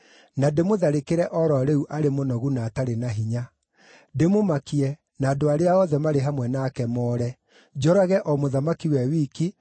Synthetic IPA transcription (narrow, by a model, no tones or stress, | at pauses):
nademoðaɾekeɾɛʔɔɾɔɾeuʔaɾemonɔɣunaːtaɾenaɦiɲa | demomakiɛ | naːdoaɾeaɔðɛmaɾeɦamwɛnakɛmɔːɾɛ | d͡ʒɔɾaɣɛʔɔmoðamakiwɛwiːki